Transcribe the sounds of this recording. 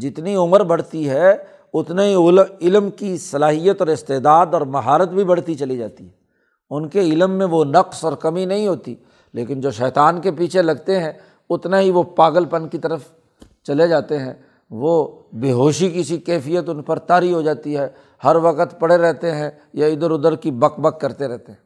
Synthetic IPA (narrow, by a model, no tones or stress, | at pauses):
d͡ʒɪt̪niʊməɾbɐɽ̤t̪iɦɛ | ʊt̪naɦiʊlɪlmkisɐlaːɦijət̪ɔːɾɪst̪eːd̪aːd̪ɔːɾmɐɦaːɾət̪̚bʱibɐɽ̤t̪it͡ʃɐlid͡ʒa̰ːt̪iɦɛ | ʊnkeɪlmːẽʋonɐqsɔːɾkɐminɐɦĩɦoːt̪ḭ | leːkɪnd͡ʒoːʃɛːt̪aːnkepiːt͡ʃʰelɐɡt̪eɦɛ̃ | ʊt̪naɦiʋopaːɡəlpɐnkit̪ɐɾəf | t͡ʃɐled͡ʒaːt̪eɦɛ̃ | ʋobeːɦoːʃikɪsikɛːfijət̪ʊnpɐɾt̪aːɾiɦod͡ʒaːt̪iɦɛ | hɐɾʋɐkət̪pɐɽeɾɛɦt̪eɦɛ̃ | jaɪd̪əɾʊd̪əɾkibɐkbəkːɐɾt̪eɾɛɦt̪eɦɛ̃ː